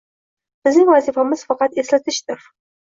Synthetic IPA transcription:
b̥ɪznɪŋvazifamɪz̥fɑqɑt̪e̞slat̪ʰɪʃt̪ɪɾ

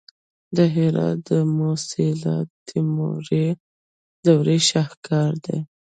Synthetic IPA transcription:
d̪əɦɪɾɑ̰t̪̚d̪əmosɪlɑ̰tt̪ʰimo̰ɾe | d̪awɾeʃɑhkɑɾd̪ḛ

